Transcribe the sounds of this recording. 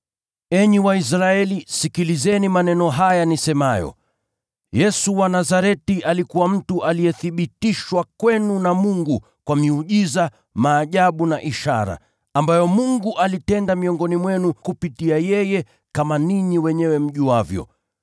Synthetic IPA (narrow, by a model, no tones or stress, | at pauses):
ɛɲiwais̬ɾaɛlisikilizɛnimanɛnɔɦajanisɛmajɔ̰ | jɛsuwanazaɾɛtiʔalikuwam̩tuʔalijɛθiɓitiʃwakwɛnunamuŋɡu | kwamiuʄiza | maːʄaɓunaʔiʃa̰ɾa̰ | ambajɔmuŋɡuʔalitɛndamiɔŋɡɔnimwɛnukupitiajɛjɛ | kamaniɲiwɛɲɛwɛm̩ʄiwavjɔ̰